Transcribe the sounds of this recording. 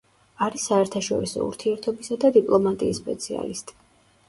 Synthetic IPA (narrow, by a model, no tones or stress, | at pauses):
aɾisːaɛɾt̪ʰaʃɔ̰ɾisɔ̰ṵɾt̪ʰiɛɾt̪ʰɔbisad̪ad̪ipʼlˠɔmat̪ʼiːspʼɛ̰t̪sʰia̰list̪ʼi̥